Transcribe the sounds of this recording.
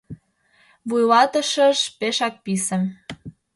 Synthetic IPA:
βujlɑt̪ə̆ʃəʃpeʃɑk̚pisə̆m

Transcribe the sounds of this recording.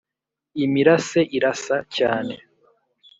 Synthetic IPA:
imiɾase̞ʔiɾasacaːne

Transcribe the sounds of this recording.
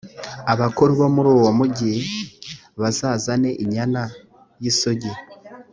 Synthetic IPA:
aβakoɾwamuɾoːwamuɟi | βazaːzane̞ʔiɲana | jisoɟe

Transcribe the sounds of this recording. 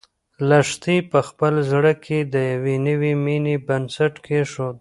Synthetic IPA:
laʂt̪ipəxpəlzɽəkʰed̪əjawenəwiminebansaʈkʰeʃod̪

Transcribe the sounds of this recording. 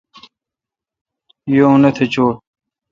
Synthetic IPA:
joũnɐt̪ʰet͡ɕoː

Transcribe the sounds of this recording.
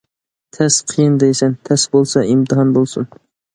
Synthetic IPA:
t̪ʰɛsqʰijɨnd̪ejsɛnt̪ʰɛsbolˠsɑimt̪ʰɨɦɑnbolˠsun

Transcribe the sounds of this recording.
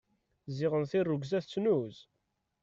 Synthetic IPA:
zɪʁənθirːuɡzæθt͡sːnuz

